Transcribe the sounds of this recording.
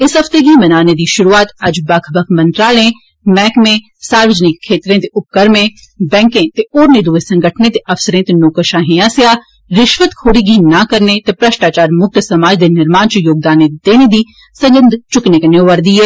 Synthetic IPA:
ɪsɦɐft̪eɡimɐnaːned̪iʃʊɾuaːt̪ɐd͡ʒbɐkʰbɐkʰmɐ̃nt̪ɾaːlẽ | mɛːkmẽ | saːɾʋəd͡ʒnɪkʰːeːt̪ɾẽt̪eʊp̚kəɾmẽ | bɛ̃ːŋkẽt̪eoːɾned̪uːesɐ̃ŋɡʱəʈʰnẽt̪eɐfsəɾẽt̪enoːkəʃaːɦẽaːsjaː | ɾɪʃʋət̪kʰoːɽiɡinɐkɐɾnet̪epɾɐʃʈaːt͡ʃaːɾmʊk̚t̪sɐmaːd͡ʒd̪enɪɾmaːnt͡ʃujoːɡ̚d̪aːned̪eːned̪iː | sɐ̃ŋɡə̃nd̪ʱt͡ʃʊknekɐnoʋɐɾd̪iːeː

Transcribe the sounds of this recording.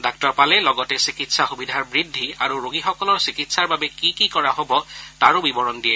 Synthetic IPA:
dak̚tɔɹpalɛlɔɡɔtɛsikitsaxubidʱaɹbɹidʱːiaɹuɹoɡixɔkɔlɔɹsikitsaɹbabɛkikikɔɹaɦobɔtaɹobibɔɹɔndijɛ

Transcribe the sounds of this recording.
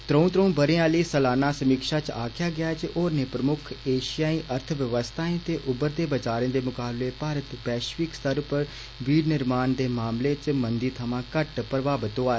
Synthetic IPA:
t̪ɾə̃ũːt̪ɾə̃ũːbəɾẽãːliːsəlaːnaːsəmiːkʃaːt͡ʃaːkʰɪjaːɡɪaːt͡ʃʔoːɾneːpɾəmʊkʰeːʃɪjaːĩːʔəɾt̪ʰəʋjəʋəst̪ʰaːẽːt̪eːʔʊbəɾd̪eːbət͡ʃaːɾẽːd̪eːmʊkaːbleːpaːɾət̪pɛːʃʋɪkst̪əɾpəɾ | ʋiːɾnɪɾmaːnd̪eːmaːmleːt͡ʃmənd̪iːt̪ʰəmãːkəʈpɾəʋaːbət̪oaːeː

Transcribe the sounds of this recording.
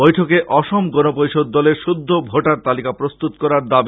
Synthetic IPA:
bojʈʰokeʔɔʃomɡɔnopojʃod̪̚ːɔleɾʃud̪ʱːobʱoʈaɾt̪alikapɾost̪ut̪kɔɾaɾd̪abi

